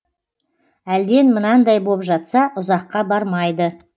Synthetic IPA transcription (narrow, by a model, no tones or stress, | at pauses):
æld̪e̞nmənɑnd̪ɑjbo̞pʒɑt̪sɑʔʊzɑqːɑbɑɾmɑjd̪ə